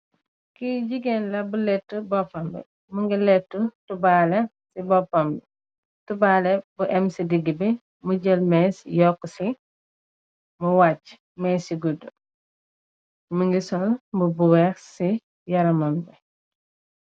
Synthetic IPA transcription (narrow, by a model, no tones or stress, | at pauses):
kiɟiɡɛnlɐbulɛtːubɔpːɐmbɛ̰ | muŋɡilɛtːutubalɛ | sibɔpːɐmbɛ | tubalɛbuʔɛmsidiɡːibɛ | muɟɛlmɛsjɔkːusi | muwat͡ʃː | mɛsiɡudu | muŋɡisɔlmbubuwɛxsi | jɐɾɐmɐmbɛ